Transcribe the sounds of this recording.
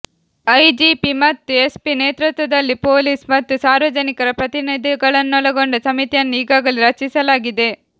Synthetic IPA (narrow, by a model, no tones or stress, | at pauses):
ɐjd͡ʒipimɐt̪ːue̞spineːt̪ɾut̪ʋɐd̪ɐlːipo̞ːliːsmɐt̪ːusaːɾʋɐd͡ʒɐnikɐɾɐpɾɐt̪inid̪ʱiɡɐɭɐnːɔlɐɡoɳɖɐsɐmit̪jɐnːuiːɡaːɡɐliɾɐt͡ʃisɐlaːɡid̪e̞